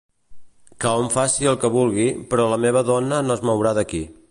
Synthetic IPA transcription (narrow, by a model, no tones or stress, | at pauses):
kaoɱfasiəlˠkəβulˠɣ̞ipɾɔləmeβ̞əðɔnənoəzmowɾaðəki